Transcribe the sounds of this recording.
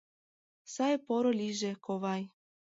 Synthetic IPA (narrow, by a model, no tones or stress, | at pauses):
sajpoɾolʲiʒekʰoβaj